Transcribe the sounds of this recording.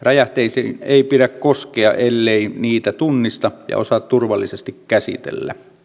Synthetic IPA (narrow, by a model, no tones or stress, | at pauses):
rɑjɑt̪eˑiseeˑipiɾækkoskeɑ̰ʔelːeˑiniːt̪æt̪unːist̪ɑjɑ̰o̰sɑt̪t̪urʋɑlːisest̪ikkæsḭt̪ḛlːæ̰